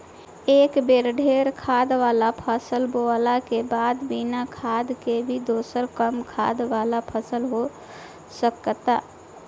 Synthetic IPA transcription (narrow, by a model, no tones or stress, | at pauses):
ekbeɾɖʱeɾkʰad̪ʋalapʰəsəlboalakebad̪binakʰad̪kebʱid̪osəɾkəmkʰa̰d̪ʋalapʰəsəlɦo | səkt̪a